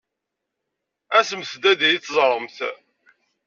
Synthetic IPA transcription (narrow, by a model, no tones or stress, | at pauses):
æsəmθd̪æd̪ijit͡sːzˤɾˤəmθ